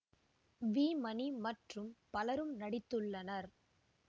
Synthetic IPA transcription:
ʋiːmɐnimɐʈrɯmpɐlɐɾɯmnɐɽɪt̪ːɯɭːɐnɐɾ

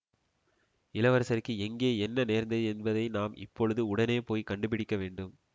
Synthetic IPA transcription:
ɪlɐʋɐɾɐsɐɾkːɯɛŋɡeːɛnːɐneːɾnd̪ɐɛnbɐðɐɪnaːmʔɪ̰pːɔɻɯðɯʊɽɐneːpoːjkɐɳɖɯp̬ɪɽɪkːɐʋeːɳɖɯm

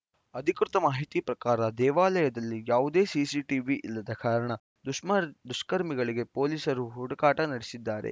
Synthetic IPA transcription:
ɐd̪ʱikɾut̪ɐmaːɦit̪ipɾɐkaːɾɐd̪ɛːʋaːlɐjɐd̪ɐlːijaːʋud̪e̞ːsiːsiːʈiːʋiʔilːɐd̪ɐkaːɾɐɳɐ | d̪uʂmɐd̪uʂkɐɾmiɡɐɭiɡe̞poːliːsɐɾuɦuɽɐkaːʈɐnɐɽesid̪ːaːɾḛ

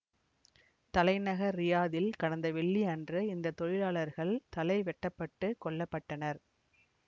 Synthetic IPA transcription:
t̪ɐlɐɪnɐɣɐɾːɪjaːðɪlkɐɽɐnd̪ɐʋɛɭːiɐndrɯɪnd̪ɐt̪ɔɻɪlaːɭɐɾɣɐɭt̪ɐlɐɪʋɛʈːɐpːɐʈːɯkɔɭːɐpːɐʈːɐnɐɾ

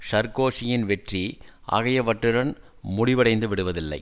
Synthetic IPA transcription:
ʂɐɾkoːʂɪjɪnʋɛʈri | ʔɐ̰ɣɐjɐʋɐʈrɯɾɐn | mʊɽɪʋɐɽɐɪnd̪ɯʋɪɽɯʋɐðɪlːɐ̰ɪ

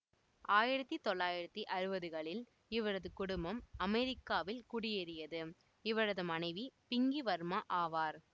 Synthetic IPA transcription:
aːjɪɾɐt̪ːit̪ɔɭːaːjɪɾɐt̪ːiʔɐɾɯbɐðɯɣɐɭɪl | ɪʋɐɾɐðɯkʊɽʊmbɐmɐmɛɾɪkːaːʋɪlkʊɽɪjɛɾɪjɐðɯ | ɪʋɐɾɐðɯmɐnɐɪʋipɪŋɡiʋɐɾmaʔaːʋaːɾ

